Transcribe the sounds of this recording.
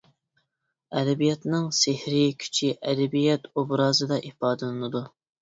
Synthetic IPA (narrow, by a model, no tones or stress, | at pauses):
ɛd̪ɛbijɛt̪nɪŋsɪhɾɪkʲʰy̥t͡ʃʰiʔɛd̪ɛbijɛt̪obɾɑːzɨd̪ɑʔifɑːd̪ɨlˠɨnɨd̪u